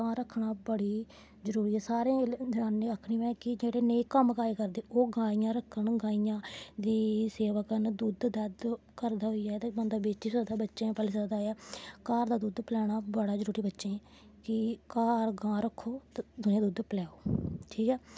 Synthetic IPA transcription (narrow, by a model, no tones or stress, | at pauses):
ɡãːɾəkʰɳaːbəɽiː | zəɾuːɾiːɦɛːsaːɾẽːd̪ɾãːnːeəkʰɽiːʋɛ̃ːkɪd͡ʒeːɽeːneːkəmɡaːeːkəɾd̪eːʔoːɡãːijãːɾəkʰːəɳɡãːijãːd̪iːseːʋəkənd̪uːd̪d̪əd̪ | kəɾd̪aːɦoiːaːt̪ebənd̪aːbeːiːsəd̪aːbətːʃẽːpəliːsəd̪aːaːkaːɾd̪aːd̪uːd̪pəlɛːɽ̃aːbəɽaːd͡ʒəɾuːɾiːbətːʃẽː | kɪkaːɾɡãːɾəkʰːoːt̪d̪ʊnẽːd̪uːd̪plɛːoːʈʰiːkɛː